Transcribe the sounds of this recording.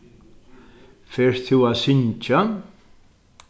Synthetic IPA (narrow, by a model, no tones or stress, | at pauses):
fɛɾ̥θuwaðsɪɲt͡ʃa